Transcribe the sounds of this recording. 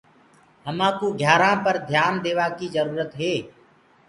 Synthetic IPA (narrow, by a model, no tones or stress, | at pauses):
ɦəmãːkoːɡʱjaːɾãːpəɾd̪ʱjaːnd̪eːʋaːkizəɾuːɾət̪ɦeː